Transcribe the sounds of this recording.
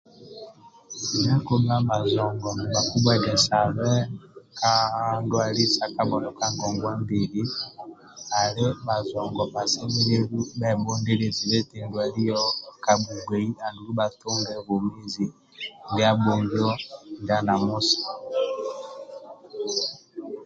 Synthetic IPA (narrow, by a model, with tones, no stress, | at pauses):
n˦a˦ko˦ma˦ba˨zɔ˨ŋɡɔ˨m˨ba˨ku˦bwa˦dɛ˨sa˨βɛ˦ka˦ndwa˨li˦sa˨ka˦bɔ˨nɔ˨ka˦ŋɡɔ˨ŋɡwa˦mbe˨li˦ | a˨le˦ba˨zɔ˨ŋɡɔ˨ba˨sɛ˦mi˦e˦ɾu˦ba˦ɛ˨bɔ˦ŋde˦le˨zi˨le˦te˨ndwa˨li˦jɔ˦ka˨bu˨ɡwe˨i˦a˨ndu˨ɾu˦ba˨tu˦ŋɡɛ˦βo˨mi˦zi˨ | ndi˦a˦bo˨ŋɡɔ˦nda˦na˨mu˦sḁ˨